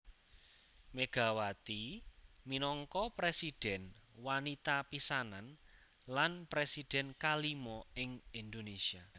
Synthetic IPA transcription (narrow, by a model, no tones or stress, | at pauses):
meɡ̥a̤wat̪iminɔŋkɔpɾesid̥ɛ̤nwanit̪apisanan | lanpɾesid̪̥ɛ̤nkalimɔɪŋind̪onesia